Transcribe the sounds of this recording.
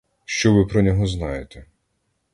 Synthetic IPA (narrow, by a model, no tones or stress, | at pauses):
ʃt͡ʃɔʋɪpɾɔnʲɔɦɔznɑjet̪ɛ